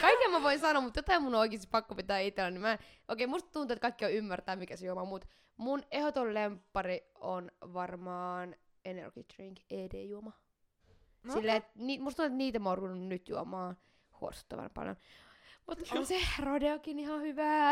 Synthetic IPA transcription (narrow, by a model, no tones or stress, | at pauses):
kɑikːiɑmæʋoinsɑnoːmut̪jot̪ɑimmunooikist̪i̥ppɑkːopit̪æːit̪ːelːænimæ | ʔoikeimust̪t̪unuet̪̚kɑikːioymːært̪æːmikæsejuomɑmut̪ | munehot̪ollempːɑrionʋɑrmɑːn | enḛrɡ̥it̪riŋkeːdḛːjuomɑ | silːeet̪niːt̪must̪und̪et̪niːt̪æmorʋunːunnyt̪juomɑː | huo̰su̥t̪ːɑ̰ʋɑ̰npɑ̰ljo̰nmut̪onserodeokinihɑhyʋæː